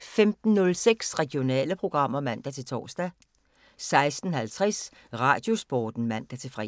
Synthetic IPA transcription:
femd̥n̩ːɔ̽lseɡ̥sʁɛɡ̥io̝nɛ̰ːləpʰʁo̝ɡ̥ʁɑ̈m̰ɐmæn̰d̥æt͡sʰe̝lt͡sʰɒ̰ːsd̥æ | sɑ̈ɪsd̥n̩hælt͡sʰʁɛs | ʁɑ̈ːd̥jo̝sb̥ɒːd̥n̩mæn̰d̥æt͡sʰe̝lfʁɛ

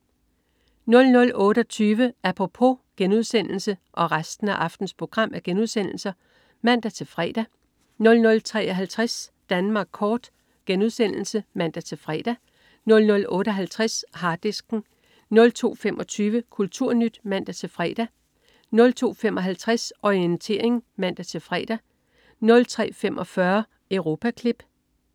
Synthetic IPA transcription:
nɔ̽lnɔ̽lɔ̽ːɾ̥ɒt͡sʰyːʋəæpʰʁopʰo̝ɡ̥enuð̞̰ˠsen̰l̩səʔɒ̽ʁasd̥n̩æʔɑ̈fd̥n̩spʰʁo̝ɡ̥ʁɑ̈m̰æɐɡ̥enuð̞̰ˠsen̰l̩sɐ | mæn̰d̥æt͡sʰe̝fʁɛ̰ːd̥æ | nɔ̽lnɔ̽lt͡sʰʁɛ̰ːɒ̽ɦælt͡sʰʁasd̥ænmɑ̈ːɡ̥̚kʰɒːd̥ | ɡ̥enuðˠsen̰l̩səmæn̰d̥æt͡sʰe̝fʁɛ̰ːd̥æ | nɔ̽lnɔ̽lɔ̽ːɾ̥əɒɦælt͡sʰʁashɑ̈d̥esɡ̥ŋ̩ | nɔ̽lt͡sʰo̝̰ːfemʔɒ̽t͡sʰyːʋəkʰult͡sʰuɐ̰nyd̥mæn̰d̥æt͡sʰe̝fʁɛ̰ːd̥æ | nɔ̽lt͡sʰo̝̰ːfemʔɒ̽ɦælt͡sʰʁasɒiənt͡sʰe̝̰ɐ̰e̝ŋmæn̰d̥æt͡sʰe̝fʁɛ̰ːd̥æ | nɔ̽lt͡sʰʁɛ̰ːfemʔɒ̽fɶɐ | əʊʁo̝ːpʰækʰlib̥

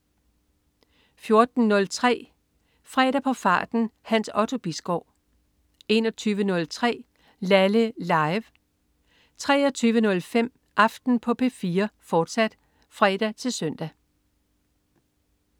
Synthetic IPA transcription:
fjo̝ɐd̥n̩ːɔ̽lt͡sʰʁɛ̰ː | fʁɛ̰d̥æpʰɒ̽fɑ̰̈ːd̥n̩hænsɒ̽t͡sʰo̝b̥isɡ̥ɒʊ̰ | e̝nɒt͡sʰyːʋənɔ̽lt͡sʰʁɛ̰ː | læləlɑ̈ɪʋ | t͡sʰʁɛ̰ːɒt͡sʰyːʋənɔ̽lfem̰ | ʔɑ̈fd̥n̩pʰɒ̽pʰe̝fiːɐfɒːd̥sæd̥ | fʁɛːd̥æt͡sʰe̝lsœn̰d̥æ

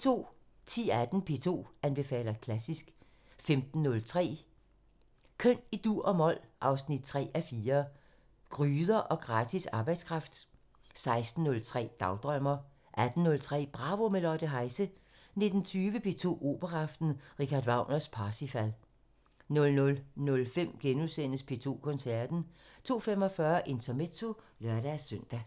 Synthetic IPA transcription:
t͡sʰo̝̰ː | t͡sʰḭːæd̥n̩pʰe̝̰ːt͡sʰo̝̰ːænb̥e̝fɛ̰ːlɐkʰlæsisɡ̥ | femd̥n̩ːɔ̽lt͡sʰʁɛ̰ː | kʰøn̰id̥uɐ̰ɒ̽mɒ̽l̰ʔɑ̈ʊsnid̥̚t͡sʰʁɛ̰ːæfiːɐ | ɡ̥ʁyːðˠɐʔɒ̽ɡ̥ʁɑ̈ːt͡sʰisɑ̈ːb̥ɑ̈ɪd̥skʰʁɑ̈fd̥ | sɑ̈ɪsd̥n̩ːɔ̽lt͡sʰʁɛ̰ːd̥ɑ̈ʊd̥ʁœmɐ | ʔæd̥n̩ːɔ̽lt͡sʰʁɛ̰ːb̥ʁɑ̈ʋo̝melɒd̥əɦɑ̈ɪsə | ne̝d̥n̩t͡sʰyːʋəpʰe̝̰ːt͡sʰo̝̰ːʔo̝̰ːb̥ɐʁɑ̈fd̥n̩ʁikʰɑd̥ʋɑ̈ʊ̰nɐspʰɑ̈ːsifæl̰ | nɔ̽lnɔ̽lnɔ̽lfem̰ɡ̥enusen̰əspʰe̝ːt͡sʰo̝̰ːkʰɔ̽nsæɐd̥n̩t͡sʰo̝̰ːfemɒ̽fɶːɐʔe̝nt͡sʰɐmet͡sʰo̝ | lɶɐɾ̥æsœn̰d̥æ

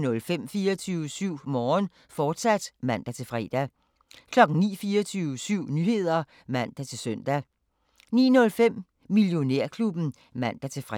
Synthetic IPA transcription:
nɔ̽lfem̰fiːɐt͡sʰyːʊsyʊ̰mɒːn | fɒːd̥sæd̥mæn̰d̥æt͡sʰe̝lfʁɛ̰ːd̥æ | kʰlɒ̽ɡ̥n̩nḭːfiːɐt͡sʰyʊsyʊ̰nyhe̝ð̞̰ˠɐ | mæn̰d̥æt͡sʰe̝lsœn̰d̥æ | nḭːnɔ̽lfem̰ | miljo̝neɐ̰kʰlub̥n̩ | mæn̰d̥æt͡sʰe̝fʁ

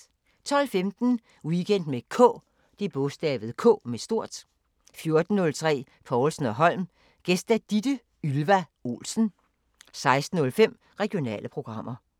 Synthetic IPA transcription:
t͡sʰɒ̽l̰femd̥n̩ | iɡ̥en̰d̥mekʰɔ̰̽ | d̥ib̥ɔsd̥ɛ̰ːʋð̞̩ˠkʰɔ̰ːmesd̥o̝ɐ̰d̥ | fjo̝ɐd̥n̩ːɔ̽lt͡sʰʁɛ̰ː | fɒːlsn̩ɒ̽ɦɒ̽l̰m | ɡ̥esd̥æd̥id̥ə | ylʋæo̝̰ːlsn̩ | sɑ̈ɪsd̥n̩ɔ̽lfem̰ | ʁɛɡ̥io̝nɛ̰ːlʔəpʰʁo̝ɡ̥ʁɑ̈m̰ɐ

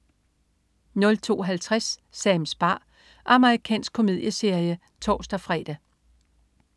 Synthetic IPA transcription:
nɔ̽lt͡sʰo̝̰ːɦælt͡sʰʁasːɛːmsb̥ɑ̈ː | ɑ̈məʁikʰɛ̰ːnsɡ̥̚kʰo̝me̝ðˠjəse̝ɐ̰jə | t͡sʰɒ̰ːsd̥ɐfʁɛ̰ːd̥æ

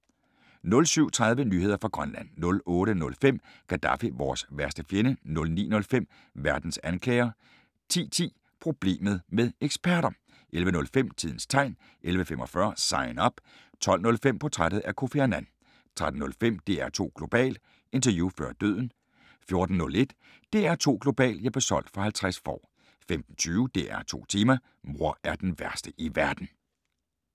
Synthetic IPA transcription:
nɔ̽lsyʊ̰t͡sʰʁɑð̞ˠʋənyːhe̝ð̰ˠɐfʁɑ̈ɡ̥ʁɶnlæn̰ːɔ̽lɔ̽ːɾənɔ̽lfem̰ɡ̥ʰæd̥ɑ̰̈fiʋɒ̰ːsʋæɐsd̥əfjenənɔ̽lnḭːnɔ̽lfem̰ | ʋæɐd̥n̩sænkʰlɛ̰ːɐ | t͡sʰḭːt͡sʰḭː | pʰʁo̝b̥le̝̰ːmð̩ˠmeðˠeɡ̥sb̥æɐɾɐ | ʔelʋənɔ̽lfem̰t͡sʰiðˠn̩st͡sʰɑ̈ɪn | ʔelʋəfemʔɒ̽fɶɐsɑ̈ɪnɒ̽b̥ | t͡sʰɒ̽l̰nɔ̽lfem̰pʰɒ̽t͡sʰʁaɾð̩ˠæɐkʰo̝feɐnæn | t͡sʰʁad̥n̩nɔ̽lfem̰d̥e̝æɐt͡sʰo̝̰ːɡ̥lo̝b̥ɛ̰ːld̥ | e̝nt͡sʰɐjuːfɶɐd̥øð̰ˠn̩ | fjo̝ɐd̥n̩ːɔ̽le̝d̥ | d̥e̝æɐt͡sʰo̝̰ːɡ̥lo̝b̥ɛ̰ːljɑ̈b̥e̝sɒ̽l̰d̥fɒ̽hælt͡sʰʁasfɒ̰ː | femd̥n̩t͡sʰyːʊd̥eʔæ̰ɐt͡sʰo̝̰ːt͡sʰiːmɐ | mo̝ɐ̰æɐd̥enʋæɐsd̥əʔiʋæɐd̥n̩

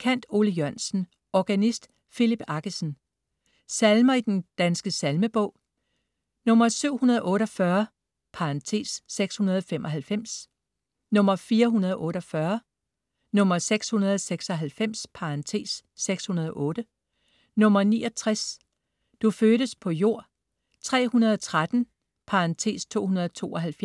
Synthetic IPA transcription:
kʰæn̰d̥o̝ːləjøɐnsn̩ | ʔɒɡ̥ænisd̥ | filib̥ɑ̈ɡ̥əsn̩ | sælmɐid̥end̥ænsɡ̥əsælməb̥ɔ̽ʊ̰ | nɔ̽mɐsyʊ̰hunɐðˠʔɔ̽ːɾɒ̽fɶɐ | pʰɑ̈ɑnt͡sʰe̝̰sːeɡ̥shunɐð̞ˠɒfem̰ʔɒ̽ɦælfem̰s | nɔ̽m̰ɐfiːɐɦunɐð̞ˠʔɔ̽ːɾ̥ɒfɶɐ | nɔ̽mɐseɡ̥shunɐð̞ˠɒseɡ̥sɒ̽ɦælfem̰spʰɑ̈ɑnt͡sʰe̝̰ːsːeɡ̥shunɐð̞ˠɒ̽ʔɔ̽ːɾ̥ə | nɔ̽mɐnḭːɒ̽t͡sʰʁas | d̥uføːɾ̥əspʰɒ̽jo̝ɐ̰ | t͡sʰʁɛ̰ːhunɐð̞ˠɒt͡sʰʁad̥n̩ | pʰɑ̈ɑnt͡sʰe̝̰ːst͡sʰo̝̰ːhunɐð̞ˠt͡sʰo̝̰ːɒ̽ɦælfj

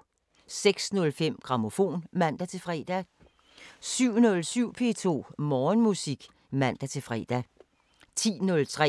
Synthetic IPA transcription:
seɡ̥snɔ̽lfem̰ɡ̥ʁɑ̈mo̝fo̝̰ːnmæn̰d̥æt͡sʰe̝fʁɛ̰ːd̥æ | syʊ̰nɔ̽lsyʊ̰pʰe̝̰ːt͡sʰo̝̰ːmɒːnmusiɡ̥ | mæn̰d̥æt͡sʰe̝fʁɛ̰ːd̥æ | t͡sʰḭːnɔ̽lt͡sʰʁɛ̰

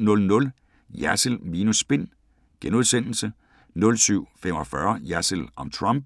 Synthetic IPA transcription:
nɔ̽lnɔ̽l | jæsəlmiːnusb̥e̝n̰ | ɡ̥enuð̞ˠsen̰l̩sə | nɔ̽lsyʊ̰fem̰ɒ̽fɶɐjæsəlɒ̽mt͡sʰʁɒmb̥̚

